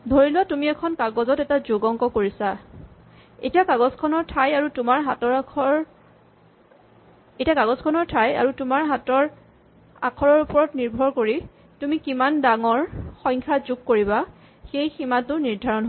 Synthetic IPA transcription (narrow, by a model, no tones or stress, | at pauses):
dʱoɹilʊwatumiɛkʰɔnkaɡɔzɔtɛtazuɡɔŋkɔkoɹisa | ḛtiakaɡɔzkʰɔnɔɹtʰajaɹutʊmaɹɦatɔɹ | etiakaɡɔzkʰɔnɔɹtʰaja̰ɹutʊmaɹɦatɔɹ | a̰kʰɔɹɔɹupɔɹɔtniɹbʱɔɹkoɹi | tumikimandaŋɔɹxɔŋkʰazuɡ̚koɹiba | xejximatʊniɹdʱaɹɔnɦo